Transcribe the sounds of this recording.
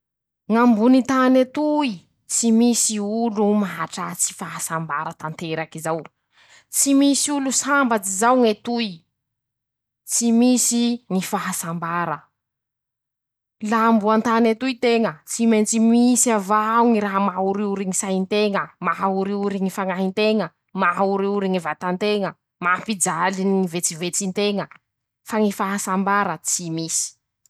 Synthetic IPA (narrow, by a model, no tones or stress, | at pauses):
ŋambunit̪anet̪ui | t͡simisiulumaɦaʈ͡ʂat͡si̥faɦasamba̰ɾət̪ant̪eɾakizaw | t͡simisiulusambat͡sizawŋet̪uj | t͡simisiŋifaɦasambaɾə | lambuant̪anet̪ujt̪eŋət͡simajnt͡simisavauŋiɾaɦəmauɾiuɾiŋisaɦint̪eŋəmaɦauɾiuɾiŋifaŋaɦint̪eŋə | maɦauɾiuɾiŋivat̪ant̪eŋə | mapid͡zaliniivet͡sivet͡sint̪eŋə | faŋifaɦasambaɾət͡simisi̥